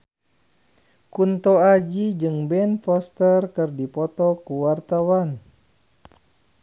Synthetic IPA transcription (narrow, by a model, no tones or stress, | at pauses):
kunt̪ɔad͡ʒid͡ʒɨŋbɛnfɔst̪ərkɨrdipɔt̪ɔkuwart̪awan